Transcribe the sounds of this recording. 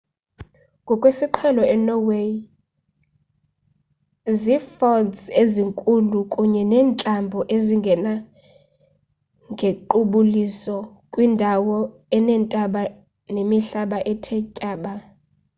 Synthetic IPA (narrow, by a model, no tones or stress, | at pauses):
kʼɔkʼwesiǃʰɛlɔɛnɔwe | zifɔnseziŋkʼulukʼuɲɛnɛːnt͡ɬʼambʱɔʔeziŋɡʱɛna | ŋɡʱeǃuɓulisɔ | kʼwindʱawɔ | ɛnɛntʼaɓa | nemiɬaɓaʔɛtʰɛcʼaːɓa